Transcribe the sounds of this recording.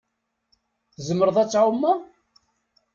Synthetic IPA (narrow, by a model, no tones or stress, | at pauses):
θzəməɾðˤæt͡sːʕumːa